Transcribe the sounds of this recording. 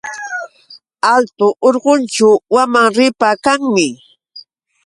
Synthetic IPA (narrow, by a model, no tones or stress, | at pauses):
alt̪ʊʔoɾɢʊnt͡ʃʊwamaŋɾɪpakaŋmɪ